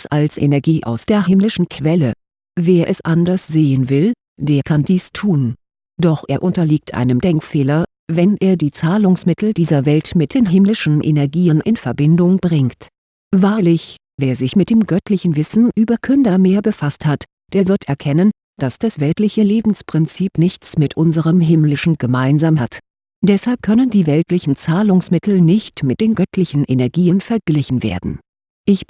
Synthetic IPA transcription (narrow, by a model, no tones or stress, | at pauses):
salsʔḛnɛɐɡiːʔa̰ʊsd̥eːɐɦɪmlɪʃn̩kʰv̥ɛlə | veːɐʔɛsʔandɐsz̥eːənvɪl | d̥eːɐkʰandiːstʰuːn | d̥ɔχʔeːɐʔʊntɐliːk̚tʔa̰ɪnəmdɛŋkfeːlɐ | vɛnʔeːɐdiːt͡saːlʊŋsmɪtʰl̩diːzɐvɛltmɪt̚d̥eːnɦɪmlɪʃn̩ʔḛnɛɐɡiːənʔɪnfɛɐbɪndʊŋbʁɪŋkt | vaːɐlɪç | veːɐzɪçmɪt̚d̥eːmɡœtʰlɪçn̩vɪsn̩ʔyːbɐkʰʏndɐmeːɐbəfasthat | d̥eːɐvɪɐtɛɐkʰɛnən | d̥asd̥asv̥ɛltlɪçəleːbm̩spʁ̥ɪnt͡siːpnɪçt͡smɪtʔʊnzəʁəmɦɪmlɪʃn̩ɡ̥əmaɪnzaːmhat | d̥ɛshalp̚kʰœnəndiːvɛltlɪçn̩t͡saːlʊŋsmɪtl̩nɪçtmɪt̚d̥eːnɡœtʰlɪçn̩ʔenɛɐɡiːənfɛɐɡ̥lɪçn̩vḛːɐdn̩ | ʔɪç